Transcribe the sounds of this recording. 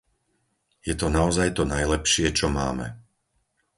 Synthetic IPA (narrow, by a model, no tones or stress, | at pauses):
jɛt̪ɔnaɔzajt̪ɔnajlɛpʃɪɛt͡ʃɔma̰ːmɛ̰